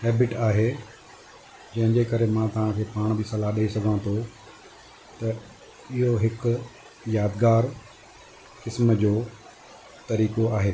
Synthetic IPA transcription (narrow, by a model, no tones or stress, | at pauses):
hɛːbɪʈaːɦeː | d͡ʑɐ̃ɦɪ̃ɲd͡ʑekɐɾemãt̪ɐʋ̤ãkʰeːpaːɽ̃bisɐlaɦɗɐisɐɡʱãt̪ʰo | t̪ɐ | ɪɦoɦɪk | jaːd̪ɡaːɾ | kɪsməd͡ʑoː | t̪ɐɾiːkoaːɦeː